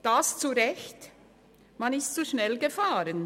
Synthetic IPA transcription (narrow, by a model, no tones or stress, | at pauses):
d̥aːst͡suɾɛçt | manɪstt͡suʃnɛlɡəfaːɾən